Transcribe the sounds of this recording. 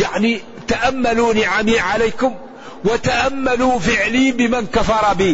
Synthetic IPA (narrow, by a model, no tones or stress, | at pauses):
jaʕni | t̪aʔamːaluːniʕamiːʕalajkʊm | wat̪aʔamːaluːfɪʕliːbɪmankafɑɾˤɑbiː